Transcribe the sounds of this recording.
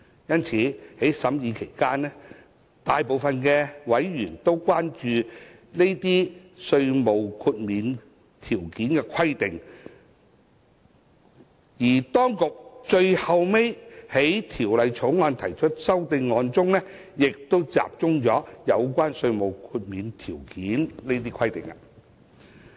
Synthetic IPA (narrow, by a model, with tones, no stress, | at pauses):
jɐ˥nt͡sʰiː˨˥he˨˥jsɐ˨˥mjiː˨˧kʰe˨˩jkaː˥nːɛ˥ | t̪aː˨jpo˨wfɐ˧nkɛː˧wɐ˨˥jɥyː˨˩nt̪o˥wkʷwaː˥nt͡ʃyː˧ | ne˥jt̪iː˥sɵ˧ɥmo˨wkʰuː˧t̚miː˨n | t̪ʰiː˨˩wkiː˨˥nkɛː˧kʰɐ˥jt̪ɪ˨˩ŋ | jiː˨˩t̪ɔː˥ŋkʊ˨k̚t͡ʃɵ˧ɥhɐ˨wme˥jhe˨˥jt̪ʰiː˨˩wlɐ˨˧jt͡ʃʰo˨˥wŋɔː˨˧nt̪ʰɐ˨˩jt͡ʃʰɵ˥t̚sɐ˥wt̪ɪ˧ŋːɔː˨˧nt͡sʊ˥ŋnɛː˥ | jɪ˨k̚t̪o˥wt͡sa̰ː˨p̚t͡sʊ˥ŋt͡sɔː˨˥jɐ˨˧wkʷaː˥nsɵ˧ɥmo˨wkʰuː˧t̚miː˨˧nt̪ʰiː˨˩wkiː˨˥nne˥jt̪̬iː˥kʰɐ˥jt̪ɪ̰˨˩ŋa̰˧